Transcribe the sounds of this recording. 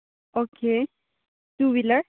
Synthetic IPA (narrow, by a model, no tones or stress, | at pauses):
oke | t̪uʋilə